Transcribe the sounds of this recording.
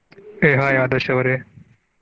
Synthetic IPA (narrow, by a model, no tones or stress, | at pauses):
eɦãːjaːd̪ɐɕɐʋɾeː